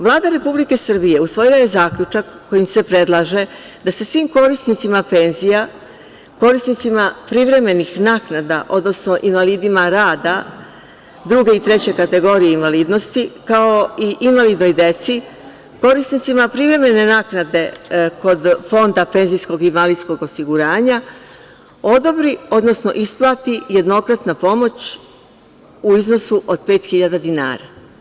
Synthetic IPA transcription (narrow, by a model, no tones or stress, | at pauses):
ʋlˠaːd̪aɾe̞publike̞sr̩bije̞usʋo̞jilaje̞zaːkʎʲut͡ʃakːo̞jimse̞pɾe̞d̪lˠaʒe̞ | d̪ase̞sʋiːmko̞ɾisnit̪simape̞ːnzija | ko̞ɾisnit̪simapɾivɾe̞me̞nixnaːknad̪aʔo̞d̪no̞sno̞ʔinʋaliːd̪imaɾaːd̪a | d̪ɾuɡe̞it̪ɾe̞t͡ɕe̞kat̪e̞ɡo̞ɾijeinʋaliːd̪no̞st̪ikao̞iʔinʋalid̪no̞jd̪e̞t̪si | ko̞ɾisnit̪simapɾivɾe̞me̞ne̞naːknad̪e̞ko̞d̪fo̞nd̪ape̞nzijsko̞ɡinʋalid̪sko̞ɡo̞siɡuɾaːɲa | o̞d̪o̞bɾio̞d̪no̞sno̞̰ʔisplˠat̪ije̞d̪no̞kɾat̪napo̞mo̞t͡ɕ | uizno̞suʔo̞d̪̥pe̞ːt̪xiʎad̪ad̪ina̰ːɾa